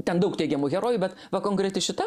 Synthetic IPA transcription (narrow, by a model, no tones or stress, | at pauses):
t̪ʲɛnd̪ɐʊkt̪ʲɛɪɡʲɛmuːɣʲɛɾoːjubʲɛt̪ | ʋɐkoːŋkɾʲɛt̪ʲɪʃʲɪt̪ɑ